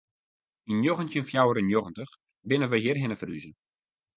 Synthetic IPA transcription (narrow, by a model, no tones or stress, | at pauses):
injoɣəntjənfjawəɾənjoɣəntəx | bɪnənʋəɦiərɦɪnəfryzə